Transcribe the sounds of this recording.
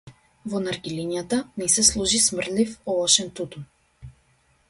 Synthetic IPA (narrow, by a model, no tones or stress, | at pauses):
vɔnaɾɡʲiliɲjat̪anɛsɛslˠuʒismrlifɔlˠɔʃɛnt̪ut̪un